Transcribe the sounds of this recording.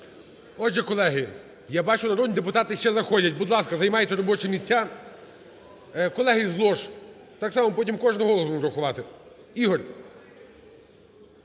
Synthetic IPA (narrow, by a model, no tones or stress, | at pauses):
ɔʒɛkɔlˠɛɦɪ | jabɑt͡ʃʊnɐɾɔd̪nʲid̪ep̬ʊt̪ɑt̪ɪʃt͡ʃɛzɐxɔdʲɐtʲbʊd̪lˠɑskɐzɐjmɑjɛt̪ʲːɛɾɔbɔt͡ʃɛmʲisʲt͡sʲːa | kɔlˠɛɦɪzlˠɔʃ | t̪ɑksɑmɔpɔtʲimkɔʒnɔɦɔlˠɔsuɾɐxʊʋɑt̪ɪ | iɦɔrʲ